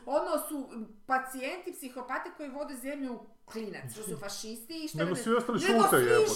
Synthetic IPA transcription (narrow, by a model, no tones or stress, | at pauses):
od̪nosu | pat̪sie̞nt̪ipsixo̞pat̪eko̞jiʋo̞d̪ezemʎu | klinat̪t̪osufaʃist̪iːʃtneɡosiost̪aniʃut̪ae